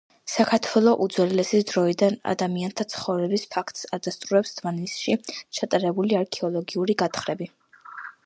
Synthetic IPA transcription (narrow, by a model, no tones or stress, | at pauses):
sakʰaɾt̪ʰwɛlˠɔʔud̪zwɛlɛsisd̪ɾɔid̪ana̰d̪amiant̪ʰat̪sʰχɔvɾɛbispʰakʰt̪ʼsad̪ast̪ʼuɾɛpsd̪̥ʰmanisʃit͡ʃʰat̪ʼaɾɛbuliaɾkʰɛɔlˠɔɡiuɾiɡat̪ʰχɾɛbi